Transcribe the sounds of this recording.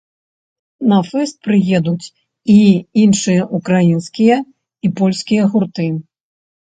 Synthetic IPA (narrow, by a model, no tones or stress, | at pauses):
nɐfɛst̪̚pɾɨjɛd̪ut͡sʲ | iinʂɨjɐʔukɾajinskʲijɐ | ipɔlʲsʲkʲijɐɣurt̪ɨ